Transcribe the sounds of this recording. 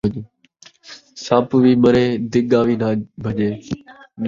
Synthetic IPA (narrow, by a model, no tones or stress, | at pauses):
saːpʋiːməɾeːd̪ɪɠaːʋiːnaːbʱəʄeː